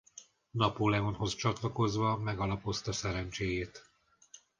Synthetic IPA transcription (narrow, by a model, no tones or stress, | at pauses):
nɒpolɛonho̞st͡ʃɒt̪lɒko̞zʋɒmɛɡɒlɒpo̞st̪ɒsɛɾɛnt͡ʃeːjeːt̪